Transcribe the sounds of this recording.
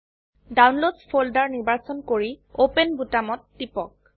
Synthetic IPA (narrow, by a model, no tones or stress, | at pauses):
dawnlodspʰoldaɹniɹbaɹsɔnkoɹiopenbutamɔtːipɔk̚